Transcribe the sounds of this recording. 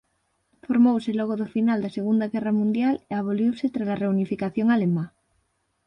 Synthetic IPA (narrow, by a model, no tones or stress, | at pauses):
foɾmowseloɣ̞oðofinald̪aseɣ̞und̪aɣɛramũnd̪jaleaβ̞oljewset̪ɾalareunifikaθjoŋalema